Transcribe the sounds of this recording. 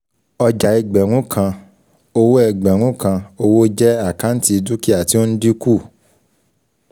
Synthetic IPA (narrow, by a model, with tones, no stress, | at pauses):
ɔ˧d͡ʒa˨ɛ˧ɡ͡bɛ˨ɾ̃ũ˨˦kʰã˧ | o˧wo˦ɛ˧˨ɡ͡bɛ˨ɾ̃ũ˨˦kã˧o˧wo˦d͡ʒɛ˦a˦˨kã˨˦n̩˦ti˦˧du˦ki˦a˦˨ti˨˦o˦n̩˦di˦ku˦˨